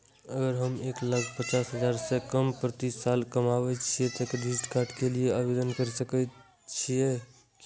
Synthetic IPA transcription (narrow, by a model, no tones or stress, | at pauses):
əɡəɾɦəmeklaɡʰʱpət͡ʃasɦəd͡ʒaɾsekəmpɾət̪isalkəmabɛt͡ʃʰijɛt̪ːked̪isʈkaɾʈkelijeabed̪ənkəɾsəkɛ | t͡ʃʰijɛ | ki